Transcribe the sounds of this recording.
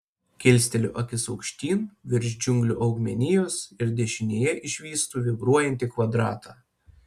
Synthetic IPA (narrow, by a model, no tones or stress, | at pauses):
kʲɪlʲsʲt̪ʲɛlʲʊʔɐkʲɪsɔʊkʃʲt̪ʲiːnʋʲɪɾʲʒʲd͡ʒʲʊŋɡlʲʊʔɒʊɡmʲɛnʲɪjoːsɪɾd̪ʲɛʃʲɪnʲeːjɛʔɪʃʲʋʲiːst̪uːʋʲɪbɾuɔjɛnʲt̪ʲɪkʋɐd̪ɾɑːt̪ɑː